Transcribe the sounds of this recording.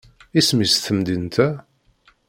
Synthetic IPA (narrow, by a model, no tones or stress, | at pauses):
ismisθəmd̪int̪ʰæ